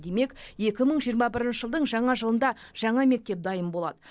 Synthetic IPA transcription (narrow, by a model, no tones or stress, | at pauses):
d̪e̞me̞kje̞kʲɪməɴʒijəɾmɑbɪɾɪnʃəʒəlˠd̪əɴʒɑɴɑʒəlˠənd̪ɑ | ʒ̥ɑɴɑme̞k̚t̪e̞p̚d̪ɑjəmbo̞lˠɑ̰d̪ə